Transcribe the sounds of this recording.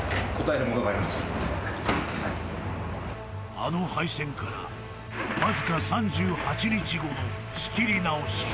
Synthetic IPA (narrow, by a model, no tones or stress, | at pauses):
ko̞t̪aeɾɯ̟mo̞noɡaːɾimasɨ̥ | a̰no̞haisẽ̞ŋkaɾa̰ | mazɨkasãɲd͡ʑɨːhat͡ɕiɲit͡ɕiɡo̞no | ɕɨ̥kʲiɾʲinao̞ɕi̥